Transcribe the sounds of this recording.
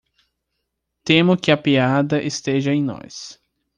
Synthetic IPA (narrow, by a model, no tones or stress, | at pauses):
t̪ẽmʊkɪɐpiad̪ɐʔest̪eʒɐẽj̃nɔ̰s